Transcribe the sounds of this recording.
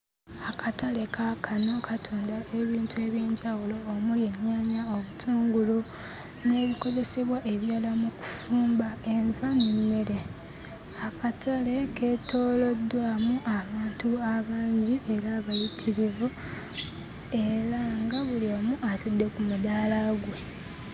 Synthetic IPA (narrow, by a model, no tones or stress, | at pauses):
akʰatale̞kʰakʰano̞kʰatʰo̞ːndae̞βiːntue̞βjiːɲɟawulo̞ːmujeɲːaːɲaoβutʰuːŋɡulo | ne̞ːβiko̞ze̞seβwaʔe̞βjaːlamuku̥fuːmbae̞ɱvanemːe̞ɾe | akatale̞ketʰo̞ːlodːwaːmuʔaβaːntuaβaːɲɟiʔeɾaβajitʰiɾivo | e̞ɾaŋɡaβuliomuʔatudːe̞kumudaːlaɡwe̞